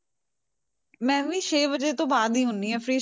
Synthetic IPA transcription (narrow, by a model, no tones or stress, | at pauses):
mɛ̃ːʋĩːʃeːbəd͡ʒeːt̪õːbaːd̪iːɦʊnd̪iːɦɛ̃ːfʰɾiː